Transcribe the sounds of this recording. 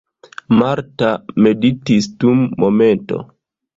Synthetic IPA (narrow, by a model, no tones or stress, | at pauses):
maɾtame̞ditisd̥umːome̞nto̰